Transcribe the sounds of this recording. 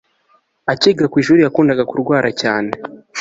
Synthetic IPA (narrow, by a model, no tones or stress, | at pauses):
aciːɡakwiːʒuːɾijakuːndaɡakuɾɡwaːɾacaːne